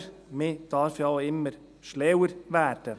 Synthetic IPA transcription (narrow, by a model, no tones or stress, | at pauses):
ɾmeːd̪̥ɑːɾfjɑːɪmːəɾ | ʃleːwəɾʋæːʈə